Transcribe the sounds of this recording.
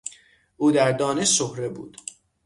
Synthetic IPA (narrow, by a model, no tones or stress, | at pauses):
ʔuːd̪æɾd̪ɒːne̞ʃsohɾe̞bṵːd̪̥